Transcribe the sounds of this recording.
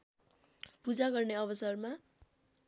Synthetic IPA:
pud͡zaɡʌrneʌβʌsʌrma

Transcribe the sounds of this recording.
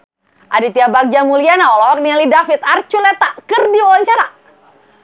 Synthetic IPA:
ʔadit̪iabak̚d͡ʒamulianaɔlɔwak̚nialidafit̪art͡ʃulɛt̪akɨrdiwalaɲt͡ʃaɾa

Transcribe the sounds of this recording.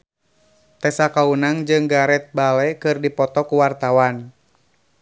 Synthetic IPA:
t̪ɛsakaunaŋd͡ʒɨŋɡaɾɛt̪̚balɛkɨrdipɔt̪ɔkuwart̪awan

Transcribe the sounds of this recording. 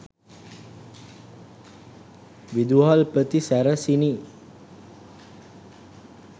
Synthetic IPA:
ʋid̪uɦalpɾət̪isæɾəsini

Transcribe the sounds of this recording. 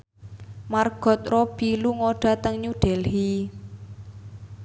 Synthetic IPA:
marɡ̥ɔ̤t̪̚rɔb̥iluŋoɖ̥a̤t̪əŋɲuɖ̥ɛlhi

